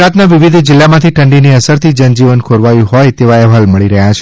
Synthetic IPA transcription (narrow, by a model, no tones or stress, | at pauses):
ɾat̪naʋiʋid̪ʱd͡ʒɪlːamãt̪ʰiʈʰəɳɖiniəsəɾt̪ʰid͡ʒənd͡ʒiʋənkʰoɾʋajũɦojt̪eʋaɛʋɦalməɭiɾəɦjat͡ʃʰe